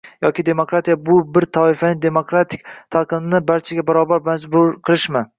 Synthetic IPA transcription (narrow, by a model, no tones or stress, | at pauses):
jɒkʲɪd̪e̞mokɾat̪ʰijabʊbɪɾt̪ʰɒɪfanɪd̪e̞mokɾat̪ʰɪ̥k̚ʲt̪ʰalˠqɨmnɪbaɾt͡ʃʰaɡʲabaɾɒbaɾmad͡ʒbʊɾqʰɨlˠɪʃmɪ